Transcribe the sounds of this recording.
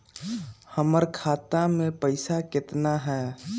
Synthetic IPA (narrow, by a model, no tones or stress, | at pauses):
həməɾkʰat̪amẽpəɪsakɪt̪naɦɛː